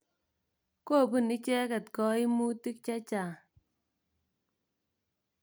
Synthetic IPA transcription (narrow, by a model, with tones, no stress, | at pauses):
ko˦˨pu˦˨ni˦t͡ʃɛ˦kɛ˨tkɔ˦i˦mu˦ti˦k̚t͡ʃa˦t͡ʃa˨